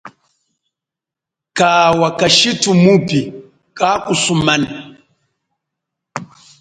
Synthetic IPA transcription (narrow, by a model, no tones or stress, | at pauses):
kaːwakaʃitumupi | kakusumani